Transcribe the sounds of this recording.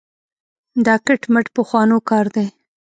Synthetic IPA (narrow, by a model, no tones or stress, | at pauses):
d̪ɑkəʈməʈpəxwɑnokɑɾd̪e